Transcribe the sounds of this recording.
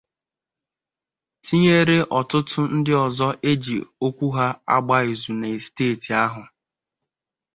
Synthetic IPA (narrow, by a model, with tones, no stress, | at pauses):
ti˦ɲe˦ɾe˦ʔɔ˨tʊ˦tʊ˦n̩˦dɪ˦ɔ˨zɔ˦ʔe˦d͡ʒi˨o˦kʷu˦ɦa˦a̰˦ɡ͡ba˦e˨zu˨ne˨steː˦˨ti˨a˦ɦʊ˨